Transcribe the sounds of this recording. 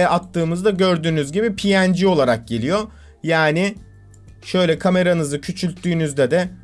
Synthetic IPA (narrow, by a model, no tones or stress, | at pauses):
ʔat̪ʰːɯːmɯzd̪aɟø̞ɾd̪yːnyzɟibipʰijænd͡ʒio̞lˠaɾak̚ɟe̞lʲijo̞ | jaːnɪ | ʃø̞jlʲɛkʰame̞ɾanɯzɯcʰyt͡ʃʰylʲt̪ʰːyːnyzd̪ɛd̪ɛ